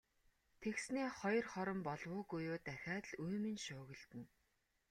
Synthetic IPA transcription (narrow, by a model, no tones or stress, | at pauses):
t̪ʰeksneːχɔj̆rχɔɾɞ̆mpɔɮwʊːɡujʊːt̪æxʲaːt̪ɮuːmɘ̆nʃʊːɣɘ̆ɮt̪ɘ̆n